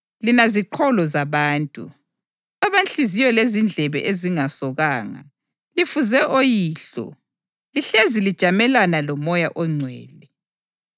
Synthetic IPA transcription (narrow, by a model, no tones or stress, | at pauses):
linaziǃʰɔlɔzaβaːntʼṵ | aβant͡ɬʼizijɔlezind͡ɮʱɛβɛ̰ʔeziŋasɔɣaːŋa̰ | lifuzɛʔojiːɬɔ̰ | liɬezilid̥ʒ̥ʱamɛlanalɔmɔjaʔɔŋ͡ǀʱwɛ̰ːlɛ